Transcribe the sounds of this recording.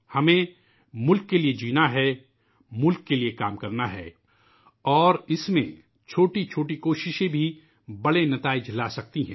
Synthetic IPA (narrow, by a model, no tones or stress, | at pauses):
hɐmẽ | mʊlkːelied͡ʒiːnaɦɛ | mʊlkːeliekaːmkɐɾnaɦɛ̰ː | ɔːɾɪsmḛ̃ | t͡ʃʰoːʈit͡ʃʰoːʈikoːʃɪʃẽbʱi | bɐɽenɐt̪aːɪd͡ʒlasɐk̚t̪iɦɛ̃ː